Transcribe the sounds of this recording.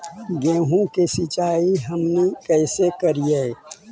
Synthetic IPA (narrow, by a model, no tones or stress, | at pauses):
ɡẽːɦũkesɪt͡ʃaːiɦəmnekɛːsekəɾie